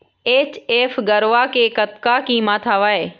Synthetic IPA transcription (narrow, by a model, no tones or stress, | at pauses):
eːt͡ɕeːfɡəɾʋakeːkət̪kakĩːmaːt̪ʰaːʋaːeː